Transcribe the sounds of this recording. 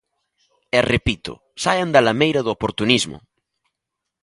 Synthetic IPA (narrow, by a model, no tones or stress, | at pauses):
erepit̪ʊ̰ | sajand̪alamejɾɐðʊopoɾt̪unizmʊ̰